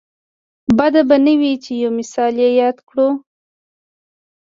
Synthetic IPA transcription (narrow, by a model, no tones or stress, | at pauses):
bad̪abanəwit͡ʃejowmɪsɑljejɑd̪kɽu